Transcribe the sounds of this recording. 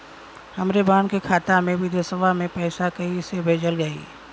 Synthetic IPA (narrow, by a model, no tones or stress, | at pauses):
hɐmɾebaːnkekʰaːt̪amẽbʱɪd̪esəʋamẽpɛːsakɐisebʱeːd͡ʒəlɡəḭː